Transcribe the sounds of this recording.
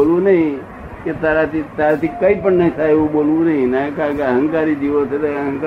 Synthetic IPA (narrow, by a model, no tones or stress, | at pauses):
olũnəɦĩ | ket̪aɾat̪it̪aɾat̪ʰikəipəɳnəĩsaɦeʋũɓolʋũnəɦĩnakakeəɦə̃ŋkaɾid͡ʒiʋot̪ʰet̪əɦəŋk